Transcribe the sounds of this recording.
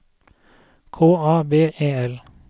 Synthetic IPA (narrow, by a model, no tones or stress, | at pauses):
kʰoːɑːbeːʔeːɛl